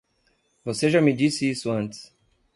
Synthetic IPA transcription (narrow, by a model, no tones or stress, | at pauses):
voseʒamɪd͡ʒisɪisʊɐ̃nt̪ɪ̥s